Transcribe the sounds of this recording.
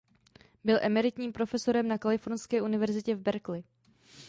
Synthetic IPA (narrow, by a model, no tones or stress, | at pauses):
bɪlʔɛmɛɾɪt̪ɲiːmpɾo̞fɛso̞ɾɛmnakalɪfo̞ɾnskɛːʔunɪvɛɾzɪcɛvbɛɾklɪ